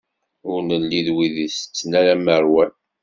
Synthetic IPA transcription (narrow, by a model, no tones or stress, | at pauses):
ʊɾnəlːiðwiðist͡sːnælæməɾwæn